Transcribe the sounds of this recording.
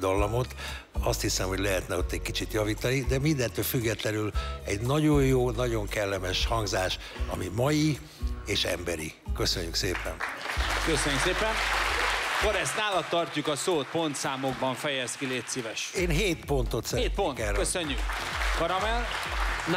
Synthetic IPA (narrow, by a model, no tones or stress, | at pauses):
d̪ɒlːɒmo̞t̪ | ɒst̪hisɛmho̞ɟlɛɦɛt̪nɛo̞t̪ːɛɟkit͡ʃit̪jɒviːt̪ɒnid̪ɛmind̪ɛnt̪ːøːlfyɡːɛt̪lɛnylɛɟnɒɟo̞jjoːnɒɟoŋkɛlːɛmɛʃhɒŋɡzaːʃ | ɒ̰mimɒji | eːʃɛ̰mbɛɾḭkøsøɲːykseːpɛnkøsøɲːykseːpɛn | koɾɛst̪naːlɒt̪ːɒrc̪ukɒsoːt̪̚po̞nt̪saːmoɡ̚bɒɱfɛjɛskileːt̪sivɛʃeːnɦeːt̪po̞nt̪o̞t̪sɛːt̪pokɛrkøsøɲːykkɒɾɒmɛl